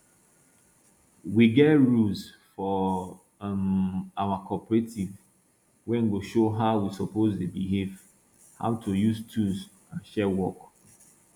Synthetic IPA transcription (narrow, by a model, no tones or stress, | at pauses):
wiɡɛtɹus | fɔ | awakʰɔpɹetiv | wɛ̃nɡoʃoɦaʊwisɔpozdebiɦev | ha̰ʊtʰujuztʰuz | ãnʃɛwɔk